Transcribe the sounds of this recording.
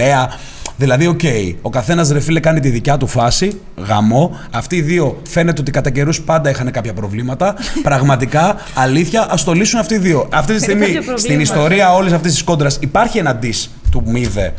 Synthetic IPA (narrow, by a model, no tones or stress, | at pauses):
eɐ | ðilɐðio̞ce̞io̞kɐθe̞nɐzɾe̞filekɐnit̪iðicɐt̪ufɐsi | ɣɐ̰mo̞ | ɐft̪iːðio̞fe̞net̪eo̞t̪ikɐt̪ɐce̞ɾuspɐnd̪ɐixɐne̞kɐpçɐpɾo̞vlimɐt̪ɐpɾɐɣmɐt̪ikɐː | liθçɐʔɐst̪o̞lisunɐft̪iːðio̞ɐft̪it̪istiɣmist̪inist̪o̞ɾiɐo̞lisɐft̪ist̪i̥sko̞nd̪ɾɐsipɐɾçie̞nɐd̪is | t̪umiðe̞̰